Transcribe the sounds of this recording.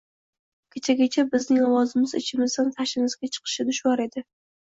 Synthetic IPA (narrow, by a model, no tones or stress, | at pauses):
kʲʰet͡ʃʰaɡʲat͡ʃʰabɪznɪŋɒwɒzɪmɪzɪ̰t͡ʃʰɪmɪzd̪ant̪ʰaʃɪmɪzɡʲat͡ʃʰɨ̥qʰɨ̥ʃad̪ʊʃwɒɾe̞d̪ɪ